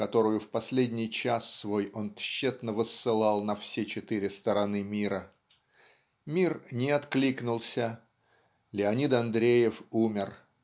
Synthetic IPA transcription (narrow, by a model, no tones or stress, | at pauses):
kɐt̪o̞ɾʊjʊfpɐsʲlʲedʲnʲɪjt͡ɕasːvo̞jo̞nt̪ɕːet̪nəvəsːɨlˠɑlˠnɐfsʲet͡ɕɪt̪ɨɾʲɪst̪əɾɐnɨmʲiɾə | mʲirnʲɪɐt̪klʲiknʊlˠsʲə | lʲɪɐnʲit̪ɐnd̪ɾʲejɪfumʲɪr